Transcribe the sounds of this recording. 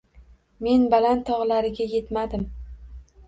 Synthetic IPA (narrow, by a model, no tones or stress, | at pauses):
me̞nbalant̪ʰɒʁlaɾɪɡʲaje̞t̪mad̪ɪm